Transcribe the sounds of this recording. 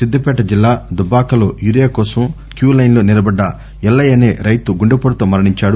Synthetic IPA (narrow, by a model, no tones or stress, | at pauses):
sid̪ːɐpɛːʈɐd͡ʒilːaːd̪ubaːkɐlo̰ːjuɾijaːkɔːsɐm | kjuːlɐjnloːnilɐbɐɖːɐ | ɛlːɐjɐneːɾɐjt̪uɡuɳɖɐpɐɽɐt̪oːmɐɾɐɳiɲt͡ʃaːɽu